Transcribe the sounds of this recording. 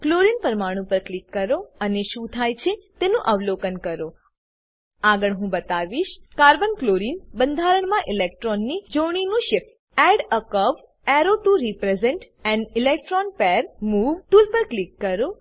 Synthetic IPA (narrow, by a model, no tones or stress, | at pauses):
kloɾinpəɾmaɽ̃ũpəɾklikːəɾoəneʃũt̪ʰajt͡ʃʰet̪enũʔəʋlokənkəɾo | aɡəɭɦũbət̪aʋiʃkaɾbənkloɾinbənd̪ʱaɾəɳmãʔilek̚ʈɾɔnːid͡ʒoɳ̃inũʃɪk | ɛɖəkəʋ | ɛɾoʈuɾipɾezeɳʈ | ɛ̃nilek̚ʈɾɔnpɛɾmuʋʈulpəɾklikːəɾo